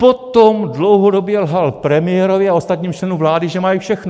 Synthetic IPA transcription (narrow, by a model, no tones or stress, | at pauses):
pot̪omdlowɦodo̞bjɛlɦalpɾɛmɪjɛɾovjɪao̞st̪at̪ɲiːmt͡ʃlɛnumvlaːdɪʒɛmajifʃɛxno